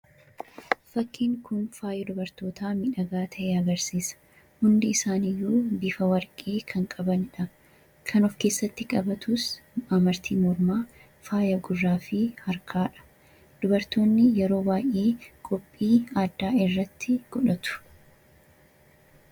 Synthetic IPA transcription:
fɐkːɪːŋkʰʊnfaːjɐd̪ʊbɐɾt̪o̞ːt̪ʰaːmɪᶑɐɡaːt̪ʰɐʔeːɐɡɐɾsiːsɐ̥ | hʊnd̪ɪːsaːnɪjːuːbɪfɐwɐɾkʼeːkʰɐŋkʼɐbɐnᶑɐ | kʰɐnɔfke̞ːsːɐt̪ːɪkʼɐbɐt̪ʊsɐmɐɾt̪ʰiːmɔɾmaː | faːjɐɡʊrːaːfɪhɐɾkʰaːᶑɐ̥ | d̪̥ʊbɐɾt̪o̞ːnːɪjɛɾo̞ːbaːjʔeːkʼɔpʼːiːaːd̪ːaːɪrːɐt̪ːɪɡ̥ɔᶑɐt̪ʊ̥

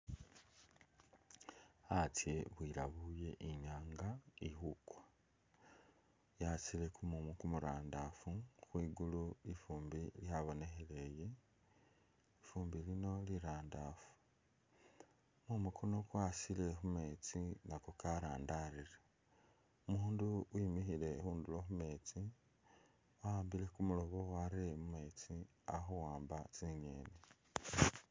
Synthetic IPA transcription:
at͡sje̞βwiɾaβuje̞ʔiɲaːŋɡaihukwḁ | jat͡sile̞kumumukumuɾaːndafuxwiːɡuluifuːmbiljaβo̞ne̞xele̞je̞ | ifuːmbilino̞liɾaːndafu̥ | mumukʰono̞kwasile̞xume̞t͡sinakokaɾaːndariɾe | umuːnduwimixile̞xuːnduloxume̞ːt͡si | aaːmbile̞kumuloβowaɾemume̞t͡si | axuwaːmbat͡siɲḛːne

